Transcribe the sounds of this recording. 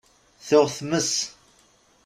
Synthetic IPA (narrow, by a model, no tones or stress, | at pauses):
θʊʁθməs